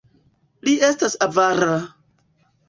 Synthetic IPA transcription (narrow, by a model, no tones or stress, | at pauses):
liʔestasavaɾa